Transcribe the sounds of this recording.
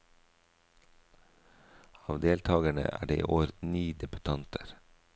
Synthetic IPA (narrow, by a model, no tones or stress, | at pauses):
ɑːʋd̪eːlt̪ʰɑːɡəɳə̰ʔæ̰ːɖḛːʔiːʔoːɾniːd̪ɛbʉt̪ʰɑnt̪ʰəɾ